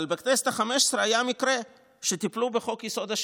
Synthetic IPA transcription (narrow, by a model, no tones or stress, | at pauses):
lbeknese̥t̪aχameʃe̥sɾeajamikɾe | ʃet̪iplubeχo̞kjiso̞d̪aʃ